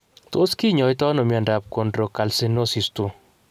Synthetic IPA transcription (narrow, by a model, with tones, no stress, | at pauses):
to˦ski˦ɲɔ˨jtɔ˦no˨mja˨nda˨p̚ko˨ndɾo˨ka˨lsi˦no˦si˨stu˦